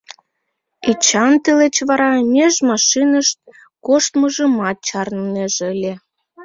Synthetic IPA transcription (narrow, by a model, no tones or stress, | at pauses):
it͡ɕɑnt̪əlet͡ɕβɑɾɑmʲeʒmɑʃinəʃt̪̚ | koʃt̪məʒəmɑt̪̚t͡ɕɑrnneʒəlʲe